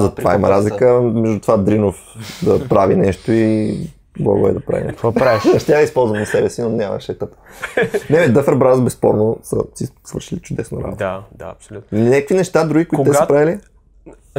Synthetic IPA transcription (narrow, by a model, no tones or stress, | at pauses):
zɐt̪ova̰imɐ̰ɾazlikəmɛʒd̪ut̪ovad̪ɾinof | d̪ɐpɾavinɛʃt̪oi | blˠa̰ɡoɛ̰d̪ɐpɾa̰vḭnɛ̰ʃnɐʃt̪ʲaispɔlˠzvɐmnɐsɛbɛsinonʲamɐ̰ʃɛt̪əp | nɛbɛd̪əfɛɾbɾazbɛspɔɾnosə̰sisvəɾʃilit͡ʃʊd̪ɛsno̰ɾa̰bo̰t̪ːpsʲunʲakkvinɛʃt̪ad̪ɾuɡikoʊitk̪ɛɐpɾavili